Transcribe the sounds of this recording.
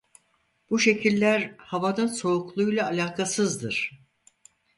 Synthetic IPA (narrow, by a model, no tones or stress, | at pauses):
buʃe̞cʰilʲːæɾhavanɯnso̞uklˠujlˠaːlʲaːkʰasɯzd̪ɯɾ̥